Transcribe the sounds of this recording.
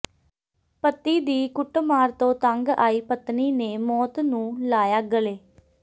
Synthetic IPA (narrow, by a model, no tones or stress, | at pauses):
pət̪ːiːd̪iːkʊʈmaːɾt̪õːt̪əŋɡa̰ːiːpət̪niːneːmɔːt̪nũːlaːjaːɡəleː